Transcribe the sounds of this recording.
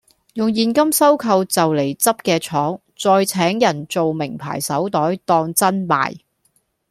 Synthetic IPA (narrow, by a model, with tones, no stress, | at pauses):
jʊ˨ŋjiː˨nkɐ˥msɐ˥wkʰɐ˧wt͡sɐ˨wle˨˩jt͡sɐ˥p̚kɛː˧t͡ʃʰɔː˨˥ŋ | t͡sɔː˧jt͡sʰɛː˨˥ŋjɐ˨˩nt͡so˨wmɪ˨˩ŋpʰa̰ː˨˩jsɐ˨˥wt̪ɔː˨˥jt̪ɔː˧ŋt͡sɐ˥nma̰ː˨˩j